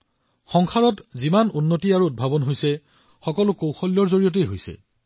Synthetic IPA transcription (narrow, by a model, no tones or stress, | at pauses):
xɔŋxʰaɹɔtzimanunːotiaɹuːt̚bʱabɔnɦojsɛ | xɔkɔlʊkowxɔljɔɹzoɹijot̬ejɦojsɛ̰